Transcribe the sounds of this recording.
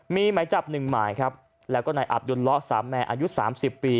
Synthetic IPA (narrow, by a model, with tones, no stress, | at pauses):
miː˧maː˩˦jt͡ɕa˨˩p̚nɯ˨˩ŋmaː˨˩jkʰɾa˦˥p̚ | lɛː˦˥wkɔː˥˩naː˧jʔa̰˨˩p̚duː˧nlɔ˦˥ʔsaː˩˦mːɛː˧ʔa̰ː˧ju˦˥saː˩˦msi˨˩pːiː˧